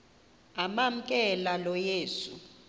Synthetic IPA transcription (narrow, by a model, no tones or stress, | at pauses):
amam̩kʼɛlalɔjeːsṵ